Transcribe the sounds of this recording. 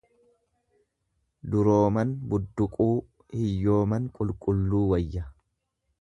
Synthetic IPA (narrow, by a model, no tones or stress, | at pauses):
d̪ʊɾoːmɐnbʊd̪ːʊkʼuː | hɪjːo̞ːmɐnkʼʊlkʼʊlːuːwɐjːɐ